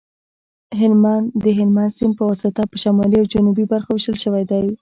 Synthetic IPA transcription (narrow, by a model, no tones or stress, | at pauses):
ɦɪlmand̪əɦɪlmansɪmpəwasɪt̪apəʃamɑliawd͡ʒanubibaɾxawɪʃəlʃəwajd̪aj